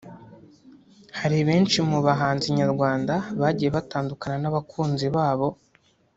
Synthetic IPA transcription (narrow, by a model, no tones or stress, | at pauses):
haɾiβe̞ːnt͡ʃimuβaɦaːnziɲaɾɡwaːndaβaːɟije̞βataːndukananaβakʰuːnziβaːβo̞